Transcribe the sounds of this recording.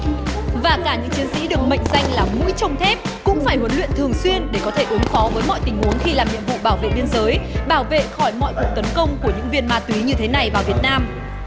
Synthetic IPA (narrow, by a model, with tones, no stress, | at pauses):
vaː˨˩kaː˧˩ɲɨ̰˧˥ŋt͡ɕi˨˦ənsḭ˧˥ɗɨ˨˩ək̚mə̰˧˨jŋ̟za˧jŋ̟laː˨˩mṵ˧˥jt͡ɕə˧wŋ͡mt̪ʰɛ˦˥p̚kʊ̰˧˥ŋ͡mfaː˧˩jɦwə˨˦nlwḭ˧˨nt̪ʰɨ˨˩əŋswi˧ənɗe˧˩kɔ˨˦t̪ʰe˧˩ʔu˨˦ənfɔ˨˦vəː˨˦jmɔ̰˧˨jt̪ï˨˩ŋ̟hu˨˦ənxi˧laː˨˩mɲḭ˧˨əmvo̰˧˨ɓaː˧˩wvḛ˧˨ɓi˧ənzəː˨˦jɓaː˧˩wvḛ˧˨xɔ˧˩jmɔ̰˧˨jku˨˩ək̚t̪ə˨˦nkə˧wŋ͡mku˧˩əɲɨ̰˧˥ŋvi˧˩ənmaː˧t̪wi˨˦ɲɨ˧t̪ʰe˨˦na˨˩jvaː˨˩wvi˨˩ət̚naː˧m